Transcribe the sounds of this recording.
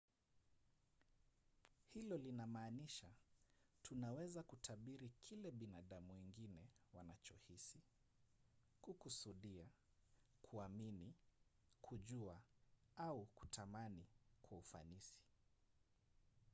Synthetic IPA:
hilɔlinamaːniʃatʰunawɛzakutʰaɓiɾikʰilɛɓinaɗamuwɛŋɡinɛwanat͡ʃɔhisi | kukusuɗia | kʰuamini | kʰuʄuaauku̥tʰamanikwaufa̰nisi̥

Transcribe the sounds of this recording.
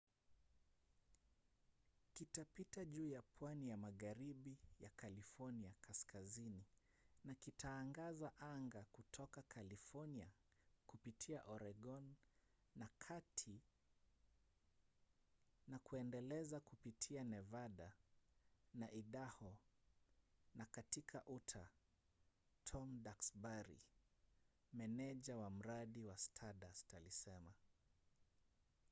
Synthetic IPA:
kitapitaʄuːjapʰwanijamaɣaɾiɓijakalifɔniakʰaskazini | nakitʰaːŋɡazaʔaŋɡakutʰɔkakʰalifɔniakupitʰiaʔɔɾɛɡɔnː | akʰatʰi | nakuɛndɛlɛzakupitʰianɛvaɗa | naʔiɗahɔ | nakatikʰaʔutʰa | tʰɔmdaksbaɾḭ | mɛnɛʄawam̩ɾaɗiwastʰaɗastalisɛma

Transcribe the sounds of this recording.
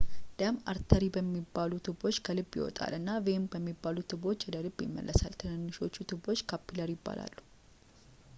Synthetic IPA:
d̪̥əma̰ɾt̪ʰəɾibəmːibːalut̪ʰɨbo̞t͡ʃːkʰəlɨbːjɪ̰wɔ̰t̪ʼa̰lɨnːavembəmːibːalut̪ʰɨbo̞t͡ʃːwɔd̪əlɨbjɪ̰mːə̰lːʔəsa̰lt̪ʰɨnɨnːɨʃo̞t͡ʃːut̪ʰɨbo̞t͡ʃːkʰapːiləɾjɪbːa̰la̰lːu

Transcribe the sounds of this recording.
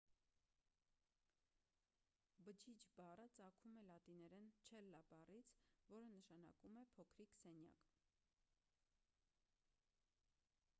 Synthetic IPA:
bəd͡ʒʰit͡ʃbɑrət͡sɑkʰumɛlɑt̪inɛɾɛnt͡ʃʰɛlːɑbɑrit͡sʰvɔɾənəʃɑnɑ̰kumɛpʰɔkʰɾiksɛnjɑ̰k

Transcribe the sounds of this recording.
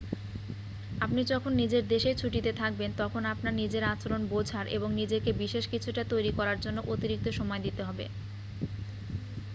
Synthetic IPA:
apnid͡ʑɔkʰonːid͡ʑeɾd̪eʃejt͡ɕʰuʈit̪et̪ʰak̚bent̪ɔkʰonapnaɾnid͡ʑeɾat͡ɕoɾonbod͡ʑʱaɾʔḛboŋnid͡ʑekebiʃeʃkit͡ɕʰuʈat̪ojɾikɔɾaɾd͡ʑonːoʔot̪iɾik̚t̪oʃɔmɔed̪it̪eɦɔbḛ

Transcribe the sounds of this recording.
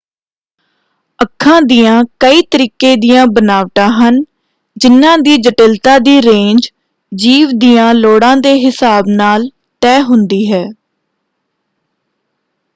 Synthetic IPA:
əkʰːãːd̪iːãːkəiːt̪əɾiːkeːd̪iːãːbənaːʋʈ̪ãːɦən | d͡ʒɪnːãːd̪iːd͡ʒəʈɪlt̪aːd̪iːɾẽːnd͡ʒ | d͡ʒiːʋd̪iːãːloːɽãːd̪eːɦɪsaːbnaːl | t̪ɛːɦʊnd̪iːɦɛː

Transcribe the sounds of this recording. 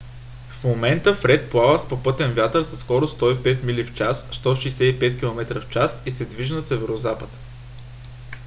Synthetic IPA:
fmomɛnt̪əfɾɛt̪̚plˠavəspopɤt̪ɛnvʲjat̪əɾsɐskɔɾost̪ɔipɛt̪milift͡ʃasːt̪ɔʃijsɛipɛt̪kʲilˠomɛt̪ɾəft͡ʃasisɛd̪viʒnəsɛvɛɾozapət̪

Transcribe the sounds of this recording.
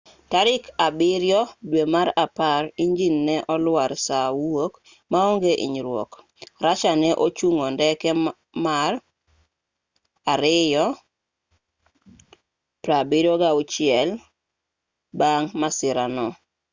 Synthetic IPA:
taɾɪkabɪɾjɔdwemaɾapaɾiɲd͡ʒinːɛʔɔlwaɾsawok | maoŋɡeʔḭɲɾwɔ̰k | ɾat͡ʃanɛʔot͡ʃuŋondɛkɛ | mar | aɾɪjɔ | pɾabɪɾjɔɡaʊt͡ʃɪɛl | baŋmasɪɾanɔ

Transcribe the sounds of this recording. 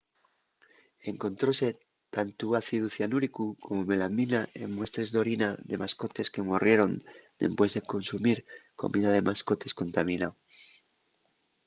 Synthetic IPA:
e̞ŋkõ̞nt̪ɾo̞se̞ | t̪ant̪uaθiðuθjanuɾikuko̞mome̞laminaʔemmwe̞st̪ɾe̞zðo̞ɾinaðe̞masko̞t̪e̞ske̞morje̞ɾo̞nd̪e̞̰mpwe̞zðe̞ko̞nsumiɾko̞̰miðað̞e̞mʔasko̞t̪e̞sko̞nt̪amĩnao

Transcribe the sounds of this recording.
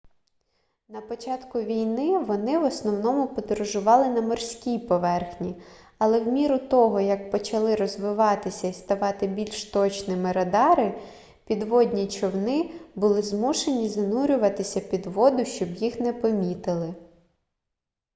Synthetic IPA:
nɐpɔt͡ʃɑt̪kʊʋʲijnɪʋɔnɪʋɔsnɔwnɔmʊpɔd̪ɾɔʒʊʋɑlˠɪnɐmɔrsʲkʲijpɔʋɛrxnʲi | ɐlˠɛwmʲiɾʊt̪ɔɦɔjɐk̚pɔt͡ʃɐlˠɪɾɔzʋɪʋɑt̪ɪsʲɐist̪ɐʋɑt̪ɪbʲilʲʃt̪ɔt͡ʃnɪmɪɾɐd̪ɑɾɪ | pʲid̪ʋɔdʲnʲit͡ʃɔwnɪbʊlˠɪzmuʃenʲizɐnuɾʲʊʋɐt̪ɪsʲɐpʲid̪ʋɔd̪ʊʃt͡ʃɔbjixnɛpɔmʲit̪ɪlˠɪ

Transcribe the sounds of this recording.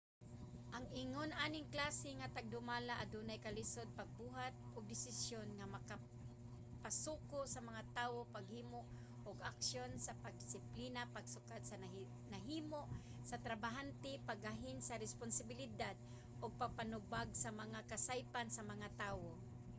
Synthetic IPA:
ʔaŋɪŋonʔaːnɪŋklaːsɪŋat̪aɡ̚d̪ʊmaːlaʔad̪uːnajkalɪsod̪̚paɡ̚buːɦat̪̚ʔʊɡ̚d̪ɪsɪsjonŋamɐka | pasuːkosɐmɐŋat̪aːwopaɡ̚hiːmoʔ | ʔʊɡaksjonsapaɡ̚d̪ɪsɪpliːnapaɡ̚sʊkad̪̚sa | naɦiːmoʔ | sɐt̪ɾabaɦant̪ɪpaɡaɦɪnsaɾɛspʊnsabɪlɪd̪ad̪̚ | ʔʊɡ̚paɡ̚panʊbaɡsamɐŋakasajpansamɐŋat̪aːwo

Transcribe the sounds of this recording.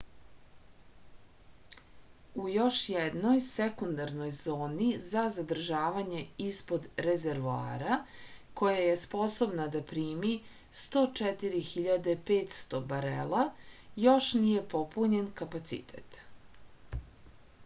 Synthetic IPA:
ujo̞ʃjɛd̪no̞jsekund̪aɾno̞jzo̞ːnizazad̪r̩ʒaːʋaɲe̞ispod̪ɾezeɾʋoa̰ːɾako̞jaje̞spo̞so̞bnad̪apɾiːmi | st̪o̞ːt͡ʃɛt̪iɾixiʎad̪epeːt̪st̪o̞baɾḛlajo̞ʃnije̞po̞puɲe̞nkapat̪sḭt̪ʰḛt̪

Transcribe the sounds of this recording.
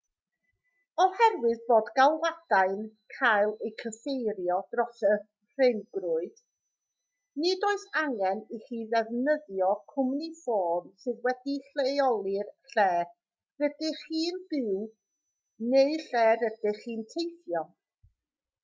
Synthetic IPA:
ɔhɛrwɨðboːdɡalˠwad̥ajnkʰajlˠejkʰəfejɾjɔd̥rɔsə | r̥enɡrʊɨd̥ | nidoːɨθaŋɛniχiːðɛvnəðjɔkʰʊmnifoːmsɨðwɛdiɬejɔlˠɨrɬɛː | rədɨχiːnb̥ɪw | neɨɬɛːɾəd̥ɪχiːntʰejθjɔ

